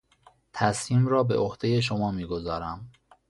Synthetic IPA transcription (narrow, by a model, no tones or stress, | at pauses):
t̪ʰæsmiːmɾɒːbe̞̰ʔohd̪̥eje̞ʃ̬omɒːmiːɡo̞zɒːɾæm